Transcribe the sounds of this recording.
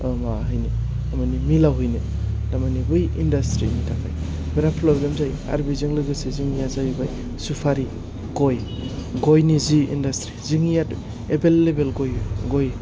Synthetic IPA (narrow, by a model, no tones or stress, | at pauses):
maɦɯjni | damanimilawɦɯjni | damanibɯjindastɾḭnitʰaka̰jbeɾapʰlobɾamzaja̰ɾbizɯŋlɯɡɯseziŋijazajbaj | supʰaɾi | ɡoj | ɡojniziḭndastɾiziŋijad | ebelːebelɡojɡoj